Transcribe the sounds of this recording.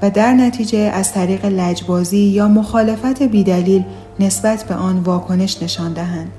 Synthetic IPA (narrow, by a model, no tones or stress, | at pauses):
væd̪æɾnæt̪ʰiːd͡ʒe̞æz̥t̪ʰæɾiːɣe̞læd͡ʒbɒːziːjɒːmo̞xɒːle̞fæt̪ʰe̞biːd̪æliːl | ne̞sbæt̪ʰbe̞̰ʔɒːnvɒːkʰo̞ne̞ʃne̞ʃɒːnd̪eɦænd̪̥